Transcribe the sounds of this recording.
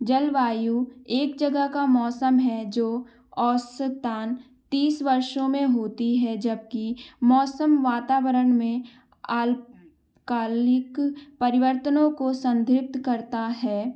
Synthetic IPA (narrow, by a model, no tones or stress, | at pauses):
d͡ʒəlʋaːjueːkd͡ʒəɡəɦkamɔːsəmɦɛd͡ʒoː | ɔːsət̪aːn | t̪iːsʋɐɾʃõmẽɦoːt̪iɦɛd͡ʒɐb̚kimɔːsəmʋaːt̪aːʋəɾəɳmẽ | aːl | kaːlɪkpɐɾɪʋəɾt̪ənõkosə̃nd̪ʱɾɪp̚t̪kɐɾt̪aɦɛː